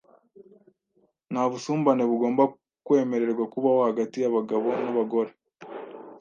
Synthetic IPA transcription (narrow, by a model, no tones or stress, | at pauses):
naβusuːmbaneβuɡo̞ːmba | kwe̞ːme̞ɾe̞ɾɡwakuβahohaɡatijaβaɡaβo̞naβaɡo̞ɾe̞